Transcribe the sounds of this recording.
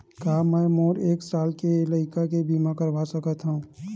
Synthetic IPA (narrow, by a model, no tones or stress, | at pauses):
kaːmɛːmoːɾeːksaːlkeləɪkakebiːmãkəɾʋasəkət̪ɦũː